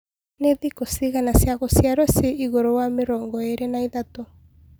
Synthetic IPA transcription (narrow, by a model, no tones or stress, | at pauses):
neðikosiɣanasjaɣosjaɾoseiɣoɾowameɾɔŋɡɔeɾenaiðato